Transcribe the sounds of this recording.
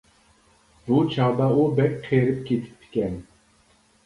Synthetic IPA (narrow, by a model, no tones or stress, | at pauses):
but͡ʃʰɑʁd̪ɑubɛk̚ʲqʰeɾɪp̚kʲʰet̪ʰɪ̥p̚t̪ʰːɪ̥kʲɛn